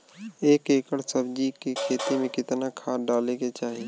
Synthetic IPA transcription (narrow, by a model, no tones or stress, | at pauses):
eːkeːkəɽsəbd͡ʒikikʰeːt̪imẽkɪt̪nakʰaːɖaːleket͡ʃaːɦi